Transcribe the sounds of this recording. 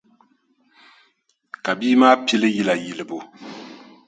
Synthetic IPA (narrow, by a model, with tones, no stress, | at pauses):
ka˨biː˦maː˦pi˦lɨ˦ji˦la˨ji˨lɨ˨bo˨